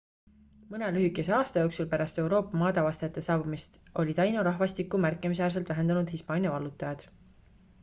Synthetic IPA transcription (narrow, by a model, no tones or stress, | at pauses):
mɤne̞lyɦykːˑe̞se̞ɑːst̪ɑjo̞ːksulpæɾɑst̪e̞wɾo̞ːpːɑmɑːd̪ɑvɑst̪eɑt̪ːˑe̞sɑːbumist̪o̞lʲid̪ɑjnuɾɑɦvɑst̪ikːˑumærkːˑemis̬æːrs̬e̞lt̪væɦe̞nd̪̥ɑnud̪̥hispɑːnʲjɑvɑlːut̪ːˑɑjɑd̪̥